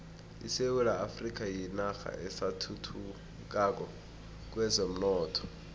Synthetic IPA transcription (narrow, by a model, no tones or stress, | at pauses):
ḭsewulaafrik̬ʼajinaxa̰ɛsatʰutʰu | k̬ak̬ʼɔ | k̬ʼwɛzom̩nɔːtʰɔ̥